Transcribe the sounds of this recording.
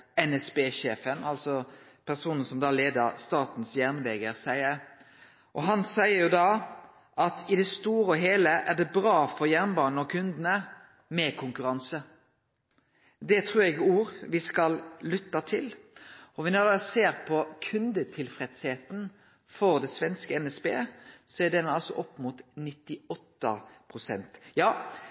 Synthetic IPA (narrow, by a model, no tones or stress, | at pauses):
ɛnɛsbeːʃeːfənɑlsɔ | pʰæʁsuːnən̩sɔmd̪ɑːleːd̪əɾst̪ɑːt̪n̩sjæʁnʋɛːɡəɾsæɪəɾ | ʔɔɦɑnsæɪəɾjʊd̪ɑː | ʔɑt̪ʰɪd̪ɛst̪uːɾəɔɦeːləʔæʁd̪ɛbɾɑːfɔɾjæʁnbɑːnn̩ɔkʰʉnd̪ənə | mɛkʰʊŋkʉɾɑnsə | d̪ɛt̪ʰɾʉːɾɛɡuːɾʋɪskɑllʏt̪ːɑt̪ʰɪlɔʋɪnɔd̪ɑseːɾpʰɔkʰʉnd̪ət̪ʰɪlfɾɛt̪sheːt̪n̩ | fɔɾd̪ɛsʋɛnskəɛnɛspḛːsɔæd̪ɛnɑlsɔʔɔpːmut̪nɪt̪ːɪɔt̪ːə̰pʰʁʊsɛ̰nt̪jɑː